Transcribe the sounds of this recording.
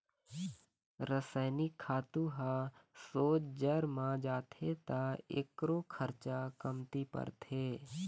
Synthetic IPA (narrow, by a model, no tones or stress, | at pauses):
ɾəsəɪnɪkʰːaːt̪ũɦasoːt͡ʃd͡ʒəɾmãd͡ʒaːt̪ʰet̪aḛkɾokʰəɾt͡ʃakəmt̪ipə̰ɾt̪ʰeː